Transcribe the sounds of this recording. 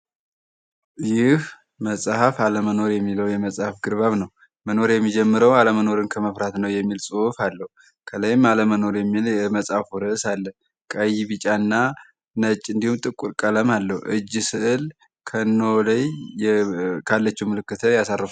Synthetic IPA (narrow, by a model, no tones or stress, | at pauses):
jɪh | məsʼhafaləməno̞ɾjɛmːiləwjɛməsʼhafɡɨɾβaβnəw | məno̞ɾjɛmːid͡ʒɛmːɨɾəwaləməno̞ɾɨnkʰəməfɾat̪nəwjɛmːilsʼufalːəhu | kʰələjmaləməno̞ɾjɛmːiljɛməsʼhafuɾɨɨsalːə | kʼəjiβɨt͡ʃʼanːa | nət͡ʃʼːɨnd̪ihumt̪ʼɨkʼːuɾkʼələmalːəhuʔɨd͡ʒːsɨʔɨl | kʰənːoləj | kʰalːət͡ʃːɛwmɨlɨkːɨt̪ʰəjasarːəfu